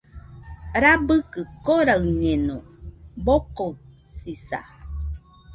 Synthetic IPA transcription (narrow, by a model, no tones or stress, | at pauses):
ɾabɨkəkoɾaɯɲenoboko | sisa̰